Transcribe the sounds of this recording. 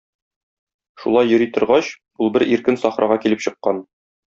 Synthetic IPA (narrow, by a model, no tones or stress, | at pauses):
ʃṵlˠɑjːɵ̆ɾit̪ŏɾʁɑɕ | ulˠbɘɾiɾkɘnsɒχɾʔɑʁɑkilɘpɕɤ̆qːɑn